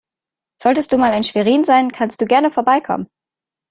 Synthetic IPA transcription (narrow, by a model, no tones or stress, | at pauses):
z̥ɔltəstd̥uːmaːlaɪnʃv̥eʁiːnzaɪnkʰanst̚d̥uːɡɛɐnəfoːɐbaɪkʰɔ̰mən